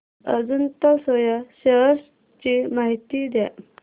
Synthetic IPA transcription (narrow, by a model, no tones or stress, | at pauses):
əd͡zunt̪asɔjaɕəɦs | t͡ɕimaɦit̪id̪ja̰